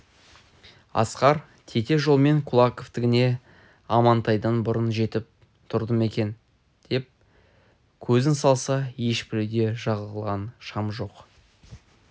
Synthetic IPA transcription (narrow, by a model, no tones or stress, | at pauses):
ɑ̰sqɑɾ | t̪ʰe̞t̪e̞ʒo̞lˠme̞ŋkʰʊlˠɑko̞ft̪ɪɡʲɪne̞ | ɑmɑnt̪ɑjd̪ənbʊɾənʒe̞t̪ɪp̚ | t̪ʰʊɾd̪əme̞kʲe̞n | d̪̥e̞p̚ | kʲʰɵzɪnsɑlˠsɑje̞ʃpɪled̪e̞ʒɑʁələlˠʁɑnʃɑmʒo̞q